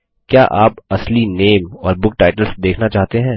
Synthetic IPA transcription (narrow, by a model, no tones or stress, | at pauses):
kjaːʔaːpɐslineːmɔːɾbʊk̚ʈaːɪʈəlsd̪eːkʰnat͡ʃaːɦt̪eɦɛ̃ː